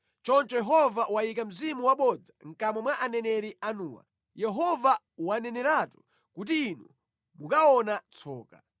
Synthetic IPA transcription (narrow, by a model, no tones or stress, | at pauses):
t͡ʃɔnt͡ʃɔjɛɦɔvaʔwajikam̩zimuwaɓɔd͡zaŋ̩kamɔmwaʔanɛnɛɾianuːwa̰ | jɛɦɔva | wanɛnɛɾatu̥ | kut̬iːnu | mukaɔnat͡sʰɔːkḁ